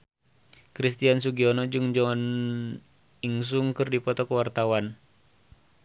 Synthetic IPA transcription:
kɾist̪iansuɡiɔnɔd͡ʒɨŋd͡ʒɔn | iŋs̬uŋkɨrdipɔt̪ɔkəwart̪awan

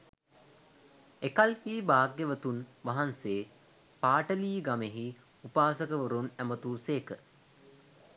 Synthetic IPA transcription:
ekalhiːbaːɡːeʋət̪unʋaɦanseː | paːʈəliːɡameɦi | upaːsəkəʋəɾunæmət̪uːseːkə

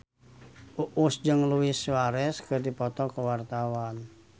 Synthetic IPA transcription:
ʔuʔusd͡ʒɨŋluiswaɾɛskɨrdipɔt̪ɔkəwart̪awan

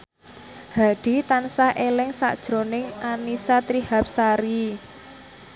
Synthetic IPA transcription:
haɖ̥i̤t̪ansaʔelɪŋsa̰ʔd̥ʒ̥ɾonɪŋʔanisat̪ɾihap̚saɾi

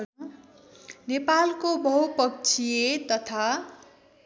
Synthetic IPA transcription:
nepalkobʱʌɦupʌk̚t͡sʰijet̪ʌt̪ʰa

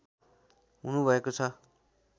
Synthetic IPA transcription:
ɦunubʱʌekot͡sʰʌ

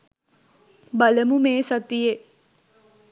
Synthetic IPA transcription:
baləmumeːsat̪ije

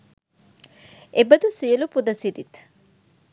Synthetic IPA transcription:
ebəd̪usiəlupud̪ɐsid̪it̪

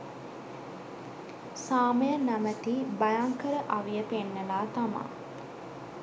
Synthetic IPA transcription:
saːməjənamət̪ibajaŋkəɾəʔaʋijəpenːəlaːt̪ama̰ː

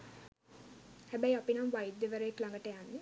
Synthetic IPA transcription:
hæbæjapinamʋajid̪ːeʋəɾəeklaŋɡəʈəjanːe

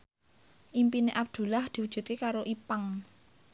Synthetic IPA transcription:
ʔimpineʔab̚d̪̥ṳlahd̪̥i̤wud̥ʒ̥ṳt̪̚kekaɾoʔipaŋ

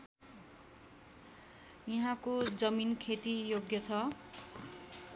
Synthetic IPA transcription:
jiɦãkod͡zʌminkʰet̪ijoɡjʌt͡sʰʌ

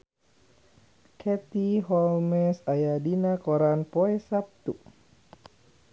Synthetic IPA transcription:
kʰɛt̪iɦɔlmɛsajadinakɔɾanpɔɛsap̚t̪u

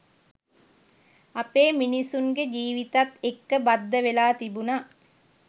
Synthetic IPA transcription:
ɐpeːminisuŋɡed͡ʒiːʋit̪at̪ekːəbɐd̪ːəʋelaːt̪ibuna

